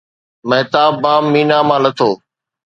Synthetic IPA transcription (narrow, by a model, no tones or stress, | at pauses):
meːt̪aːbːaːmːiːnaːmãːnət̪ʰoː